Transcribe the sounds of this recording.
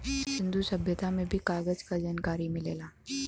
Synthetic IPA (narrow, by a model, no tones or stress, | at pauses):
sɪ̃nd̪usɐbʱjət̪amẽbʱikaːɡəd͡ʒkad͡ʒaːnkaːɾimɪleːlaː